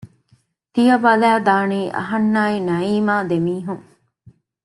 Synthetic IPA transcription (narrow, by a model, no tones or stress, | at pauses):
t̪ijɐbɐlæːd̪aːniːʔɐ̰ɦɐnːaːinɐiːmaːd̪emiːɦuŋ